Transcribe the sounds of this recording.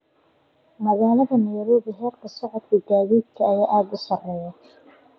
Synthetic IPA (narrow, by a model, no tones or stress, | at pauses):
mɐðaːlɐðɐnɛjɾɔːβɪɦɛːrkʰɐsɔʕɔd̪kʰɐɡaːðiːd̪̚kʰɐːjaːʔaːd̪ʊsɐrɛːja